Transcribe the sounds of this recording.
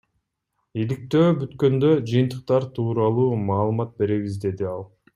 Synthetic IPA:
ilik̚t̪ø̞ːbyt̪kø̞nd̪ø̞d͡ʒɯjɯnt̪ɯ̥q̚t̪ɑɾt̪ʰuːɾɑlˠuːmɑːlˠɯmɑt̪̚be̞ɾe̞βizd̪e̞d̪iɑlˠ

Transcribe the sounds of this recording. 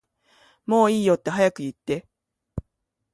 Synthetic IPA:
mo̞ːiːjo̞t̪ːe̞ɦajakɯ̟jɯ̟t̪ːe̞

